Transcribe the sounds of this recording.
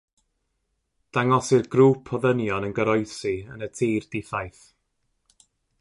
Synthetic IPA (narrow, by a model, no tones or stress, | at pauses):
d̥aŋɔsɪrɡruːpʰɔðənjɔnənɡəɾɔjsiənətʰiːrd̥ɪθajθ